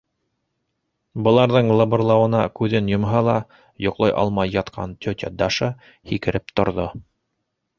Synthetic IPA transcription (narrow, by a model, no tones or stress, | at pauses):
bɤ̆lˠɑɾðɤɴlˠɤbŏrlˠɑwɤ̆nɑkʉðɘnjŏmɦɑlˠɑ | jŏqlˠɑjʔɑ̰lˠmɑjːɑt̪qʰɑ̰nt̪ʲʰɵt̪ʲæd̪ɑʃɤ | hikɘ̆ɾɘp̚t̪ŏɾðo